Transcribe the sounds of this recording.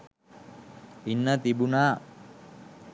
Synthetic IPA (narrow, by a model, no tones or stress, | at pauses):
inːat̪ibuna